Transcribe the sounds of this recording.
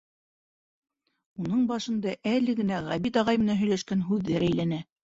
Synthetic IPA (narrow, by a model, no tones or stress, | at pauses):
unɤɴbɑʃɤ̆nd̪ɑʔælɘ̆ɡɘ̆næʁæβit̪ɑʁɑjmɘ̆nænɦɵ̆jlæʃkænɦʉðːɘɾʔæjlænæ